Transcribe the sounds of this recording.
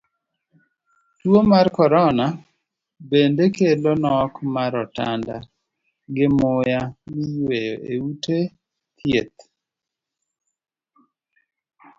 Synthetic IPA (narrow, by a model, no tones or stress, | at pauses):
twomarkɔɾɔna | bendekelonɔkmaɾɔtanda̰ | ɡɪmʊjamijwejoʔeute | t̪ʰjet̪̚